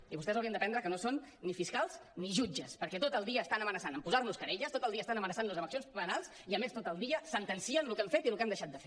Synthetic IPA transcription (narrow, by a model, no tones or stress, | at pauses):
iβust̪ɛzəwiənd̪əpɛnd̪ɾəkənosonːifiskalˠzniʒud͡ʒəspəɾkɛt̪ot̪əlˠd̪iəːst̪anəmənəsanəmpuzarnuskəɾeʎəst̪ot̪əlˠiəst̪anəmənəsanləzəβəksionspənalˠs | iəmest̪ot̪əlˠd̪iəsənt̪ənsiənlukɛmfet̪ilukɛmd̪əʃat̪̚d̪əfe